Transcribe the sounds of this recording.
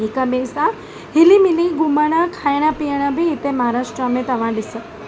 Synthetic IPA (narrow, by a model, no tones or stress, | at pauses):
ɪkəmẽsã | hɪlimɪliɡʊməɽ̃əkʰaːjɽ̃əpijəɽ̃əbʱiɪt̪emɐɦaɾaːʃʈɾəmẽt̪ɐʋ̤ãɗɪsə